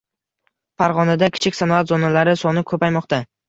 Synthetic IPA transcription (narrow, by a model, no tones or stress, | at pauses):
faɾʁɒnad̪akʲʰɪ̥t͡ʃʰɪkʲsanɒat̪zɒnalaɾɪsɒnɪkʰɵpajmɒqt̪a